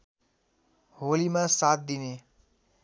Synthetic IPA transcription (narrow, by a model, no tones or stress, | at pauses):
ɦolimasat̪̚d̪ine